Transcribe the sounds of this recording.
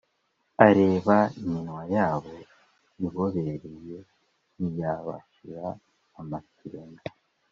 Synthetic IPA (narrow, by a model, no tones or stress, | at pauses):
aɾe̞ːβaiɲinwajaːβo̞ | iβo̞βe̞ɾeje̞ | nijaːβa̰ʃiɾaː | makiɾena